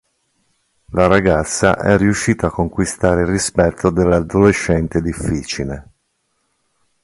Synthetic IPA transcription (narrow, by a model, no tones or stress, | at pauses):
laɾaɡat̪sːa̰ʔɛrːiuʃːiːt̪aːkːoŋkwist̪aːɾeirispɛt̪ʰːod̪elːad̪oleʃːɛnt̪ed̪ifːiːt͡ʃile